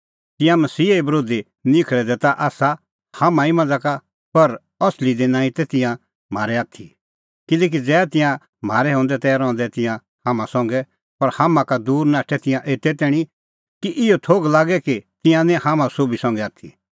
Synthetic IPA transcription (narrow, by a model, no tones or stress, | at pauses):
t̪ɪ̃jãmɐsiːeibɐɾoːd̪i | nɪkʰɭɛd̪ɛt̪aʔaːsa | hamãimɐ̃nd͡zaka | pɐɾ | ɔslid̪enãːĩt̪ɛt̪ɪ̃jã | m̤aːɾɛaːt̪ʰi | kɪlɛːk̬id͡zɛːt̪ɪ̃jã | m̤aːɾɛɦɔ̃ːnd̪ɛt̪ɛɾɔ̃ːnd̪ɛt̪ɪ̃jã | hamãsɔ̃ŋɡɛ | pɐɾhaːmãkad̪uːɾnaːʈʰɛt̪ɪ̃jãʔeːt̪ɛt̪ɛːɽ̃i | kiʔɪot̪ʰoːɡlaːɡɛkit̪ɪ̃jãnɛ̃haːmãsoːbisɔ̃ŋɡɛaːt̪ʰḭ